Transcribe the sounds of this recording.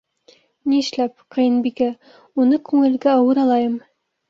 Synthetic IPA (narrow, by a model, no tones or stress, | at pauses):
niɘ̆ʃlæp̚qʰɤ̆jɤ̆nbikæ | unɤkʉŋɘ̆lɡæɑwɤɾɑlˠɑjɤm